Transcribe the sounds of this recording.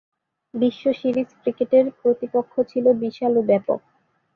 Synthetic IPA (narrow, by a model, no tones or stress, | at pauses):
biʃːoʃiɾiskɾikeʈeɾpɾot̪ipokʰːot͡ɕʰilobiʃalobɛpo̰k̚